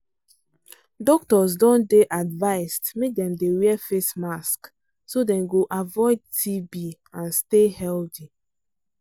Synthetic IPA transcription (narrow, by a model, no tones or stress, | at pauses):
dɔk̚tɔs̬dɔ̃ndeʔadvaɪstmek̚dɛ̃mdewiɛfesmask | sodɛ̃nɡoʔavɔɪd̚tʰibi | ãnstehɛlθi